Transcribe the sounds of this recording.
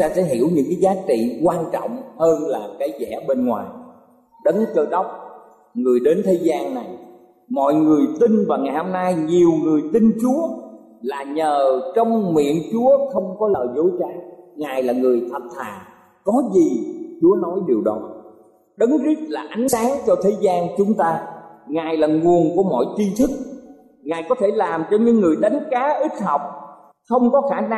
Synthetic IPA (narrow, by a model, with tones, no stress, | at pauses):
t̪aː˧sɛ̰˧˥ɦḭ˧˩əwɲɨ̰˧˥ŋkaː˨˦jzaː˨˦t͡ɕḭ˧˨kwaː˧nt͡ɕɔ̰˧˨wŋ͡mhəː˧nlaː˨˩kaː˨˦jzɛ̰˧˩ɓe˧nŋwaː˨˩j | ɗə˨˦nt͡ɕə˧jɗə˦˥wk͡p̚ | ŋɨ˨˩əjɗe˨˦nt̪ʰe˨˦zaː˧nːa˨˩j | mɔ̰˧˨jŋɨ˨˩əjt̪i˧nvaː˨˩ŋaː˨˩jho˧mna˧jɲi˨˩əwŋɨ˨˩əjt̪i˧nt͡ɕu˨˦ə | laː˨˩ɲəː˨˩t͡ɕə˧wŋ͡mmḭ˧˨ənt͡ɕu˨˦əxə˧wŋ͡mkɔ˨˦ləː˨˩zo˨˦jt͡ɕaː˧ŋaː˨˩jlaː˨˩ŋɨ˨˩əjt̪ʰə˨˩t̚t̪ʰaː˨˩ | kɔ˨˦zi˨˩t͡ɕu˨˦ənɔ˨˦jɗi˨˩əwɗɔ˨˦ | ɗə˨˦ŋzi˦˥k̚laː˨˩ʔa˨˦jŋ̟saː˨˦ŋt͡ɕɔ˧t̪ʰe˨˦zaː˧nt͡ɕʊ˨˦ŋ͡mt̪aː˧ŋaː˨˩jlaː˨˩ŋu˨˩ənku˧˩əmɔ̰˧˨jt͡ɕ̪i˧t̪ʰɨ˦˥k̚ | ŋaː˨˩jkɔ˨˦t̪ʰe˧˩laː˨˩mt͡ɕɔ˧ɲɨ̰˧˥ŋːɨ˨˩əjɗa˨˦jŋ̟kaː˨˦ʔi˦˥t̚hə˨˩wk͡p̚ | xə˧wŋ͡mkɔ˨˦xaː˧˩na˧